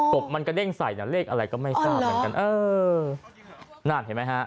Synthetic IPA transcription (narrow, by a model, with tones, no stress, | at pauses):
ko˨˩p̚ma˧nka˧de˥˩ŋsa̰˨˩jna˨˩leː˥˩k̚ʔa˧ɾa˧jkɔː˥˩ma˥˩jsaː˥˦˩mː˨˦ka˧nʔɤː˧ | naː˥˩t̪̚he˩˦ma˦˥jkʰa˦˥ʔ